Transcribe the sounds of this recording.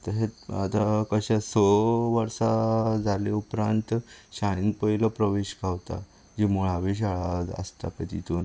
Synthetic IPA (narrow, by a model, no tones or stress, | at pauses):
t̪əɾɦeat̪akəɕasoʋəɾsad͡zʱaleupɾãnt̪ɕajinpəɦiləpɾəʋeɕkaʋt̪a̰ | d͡ʑimoɭaʋeɕ̬aɭaə̰st̪apet̪it̪uːn